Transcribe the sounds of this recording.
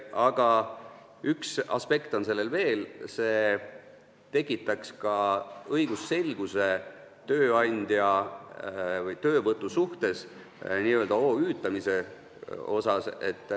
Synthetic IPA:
ɑɡ̥ɑ | yksɑ̰spe̞kt̪o̞nse̞lːe̞lve̞ːlse̞ː | t̪e̞kˑːit̪ːˑɑkskɑɤjɡ̥usːe̞lɡ̥use̞ | t̪ø̞ːɑnʲd̪̥jɑ | vɯjt̪ø̞ːvɤt̪ˑːusuht̪e̞s | niːøːld̪̥ɑo̞ːyːt̪ːˑɑmise̞ | o̞sɑse̞̰t̪ːˑ

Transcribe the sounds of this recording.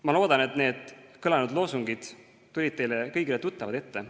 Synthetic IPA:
mɑlo̞ːd̪̥ɑne̞t̪ne̞ːd̪̥kɯlɑnud̪lo̞ːsuŋɡid̪̥ | t̪ːulʲid̪̥̚t̪e̞jlekɤjɡ̥ilet̪ut̪ːˑɑvɑd̪̥e̞t̪ːe̞

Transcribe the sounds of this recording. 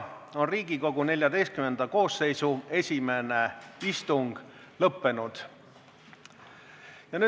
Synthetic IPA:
o̞nriːɡiko̞ɡ̥une̞lʲjɑd̪e̞jst̪̚kymend̪̥ɑko̞ːsːe̞jsue̞sʲime̞ne̞ist̪uŋɡ̥ | lɤpːe̞nud̪̥ | jɑnyː

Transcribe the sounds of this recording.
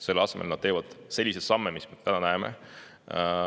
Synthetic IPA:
se̞lːɑsemelnɑd̪̥̚t̪e̞ːvɑd̪̥se̞lʲːise̥sɑmːemismet̪ænɑnæemḛ

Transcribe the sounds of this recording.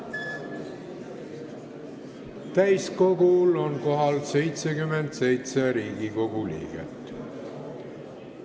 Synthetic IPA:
t̪æjsko̞ɡulo̞nko̞ɦɑlse̞jt̪sekyme̞nd̪̥se̞jt̪se̞ɾiːɡ̥iko̞ɡ̥ulḭːɡ̥e̞̰t̪ːˑ

